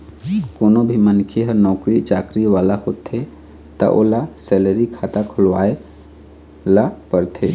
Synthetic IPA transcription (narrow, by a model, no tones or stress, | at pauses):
koːnobʱimənkʰeɦəɾnɔːkɾit͡ʃaːkɾiʋaːlahoːt̪ʰe | t̪a̰ʔo̰ːlasɛːləɾikʰaːt̪akʰʊlʋaːe | lapəɾt̪ʰe